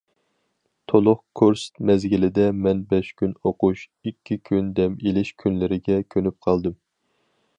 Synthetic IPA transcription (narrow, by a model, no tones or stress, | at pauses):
t̪ʰolˠʊχkʰoɾst̪mɛzɡʲilɪd̪ɛmɛnbɛʃkʲynoquʃ | ikʲʰːikʲʰynd̪ɛmelɪʃkʲʰynlɪɾɪɡʲɛkʲʰønyp̚qʰɑlˠd̪ɨm